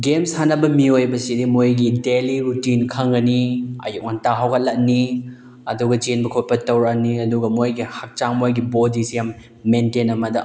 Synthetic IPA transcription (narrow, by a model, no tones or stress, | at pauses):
ɡemshanɐbɐmiojbɐsidimojɡideliɾutinkʰɐŋɡɐniɐ̰juk̚ŋantaɦawkʰɐt̚lɐk̚ni | ɐ̰duɡɐt͡ʃenbɐkʰot̚pɐtɐwɾɐk̚niɐduɡɐmojɡihɐk̚t͡ʃaŋmojɡibodisjamː | entenɐmɐdɐ